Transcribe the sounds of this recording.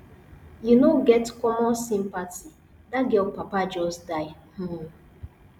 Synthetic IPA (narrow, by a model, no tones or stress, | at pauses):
junoɡɛtkɔmɔsĩmpati | daɡeɔpapad͡ʒɔsdaɪm̩